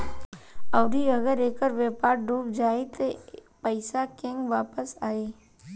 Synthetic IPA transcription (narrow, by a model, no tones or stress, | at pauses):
ɔːɾiɐɡəɾeːkəɾʋeːpaːɾɖʱuːpd͡ʒaːet̪o | pəɪsakẽŋɡʋaːpəsaːeː